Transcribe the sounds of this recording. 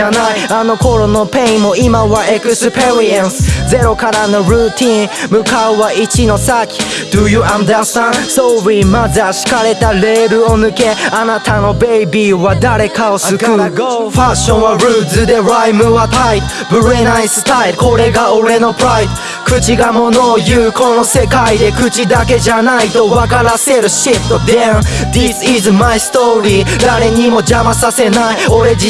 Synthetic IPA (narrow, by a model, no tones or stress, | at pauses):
anajano̞ko̞ɾo̞no̞pẽĩmo̞imaβaʔekɯsɨpeɾiãnsze̞ɾokaɾanoɾɯt̪ʰĩnmɯkaoβaʔit͡ʃino̞sakʲi̥ | d̪̥ɯjuãnd̪ast̪ãsoβimazɨaɕi̥kaɾe̞t̪aɾe̞ɾɯ̟o̞nɯke̞anat̪ano̞be̞ibiβad̪aɾe̞kaosɨkɯfaɕõñβaɾɯːzɨd̪eɾajmɯvat̪ʰajt̪ | bɾenajst̪aɪlko̞ɾe̞ɡaoɾenopɾajt̪ | kɯ̟t͡ɕiɡamono̞jɯːko̞no̞se̞kaid̪e̞kɯ̟t͡ɕid̪ake̞ʑanait̪o̞wakaɾaseɾɯʃift̪d̪ãnd̪isizmajst̪oɾid̪aɾe̞ɲ̟imo̞d͡ʑamasase̞naioɾe